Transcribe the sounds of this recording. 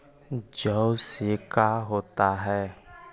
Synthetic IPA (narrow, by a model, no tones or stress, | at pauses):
d͡ʒəusikʰaɦoːt̪aɦɛː